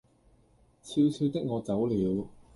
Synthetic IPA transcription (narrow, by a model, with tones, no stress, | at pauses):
t͡sʰi˧wsiː˧t̪ɪ˥k̚ŋɔː˨˧t͡sɐ˨˥wliː˨˥w